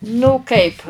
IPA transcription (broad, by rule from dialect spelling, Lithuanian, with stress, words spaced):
nʊ ˈkɐɪp